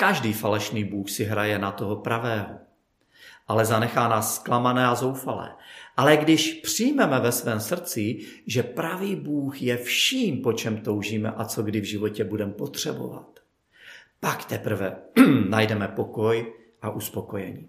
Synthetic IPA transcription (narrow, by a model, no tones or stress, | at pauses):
kaʒdiːfalɛʃniːbuːxsɪɦɾajɛnat̪o̞ɦopɾavɛːɦo | ʔalɛzanɛxaːnaːsːklamanɛːazo̞wfalɛ̰ːʔalɛɡdɪʃpr̥ɪjmɛmɛvɛsvɛːmsr̩t͡sɪʒɛpɾaviːbuːxjɛfʃiːmpo̞t͡ʃɛmt̪o̞wʒiːmɛ̰ʔat͡so̞ɡdɪvʒɪvo̞cɛbudɛmpo̞t̪r̝̥ɛbo̞̰va̰t̪ | pakt̪ɛpr̩vɛnajdɛmɛpo̞ko̞j | ʔaʔuspo̞kojɛɲiː